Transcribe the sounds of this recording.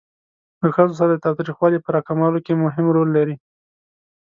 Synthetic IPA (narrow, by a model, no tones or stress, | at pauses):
ləxəzos̬aɾad̪ət̪ɑwt̪ɾixwɑlipəɾɑkamɑlokemʊɦɪmɾolːaɾi